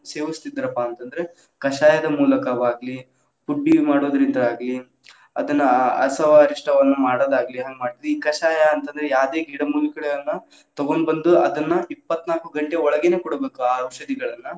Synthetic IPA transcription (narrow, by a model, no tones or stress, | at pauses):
seːʋist̪id̪ːɐɾɐpːaːnt̪ɐnd̪ɐɾe̞ | kɐʃaːjɐd̪ɐmuːlɐkɐʋaːɡli | puɖːimaːɽoːd̪ɐɾind̪ɐaːɡɐli | ɐ̰d̪ɐnːɐɐ̰sɐʋaːɾiʂʈɐʋɐnːumaːɽoːd̪aːɡɐliɦaːŋɡemaːɽt̪id̪eiːkɐʃaːjɐːnt̪ɐnd̪ɐɾejaːʋd̪eːɡiːɽɐmuːlikɐɽɐjɐnːɐ | t̪ɔɡo̞ɳɖbɐnd̪uɐd̪ɐnːɐipːɐt̪ːnaːlkuɡɐɳʈeɔɭɐɡene̞ːkɔɽɐbe̞ːkuaːʋʃɐd̪iɡɐɭɐnːɐ